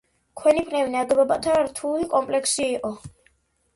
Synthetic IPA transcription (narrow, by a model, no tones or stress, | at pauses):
kʰwɛnipʰnɛvinad̪ɛbɔbat̪ʰaɾt̪ʰulikʼɔmpʼlɛksiːqʼɔ